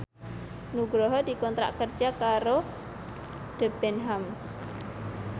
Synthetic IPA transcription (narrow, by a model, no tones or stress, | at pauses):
nuɡɾɔɦɔd̪ikɔnt̪ɾa̰ʔkər̥d͡ʒakaɾo | ɖ̪̥əb̥ɛnɦams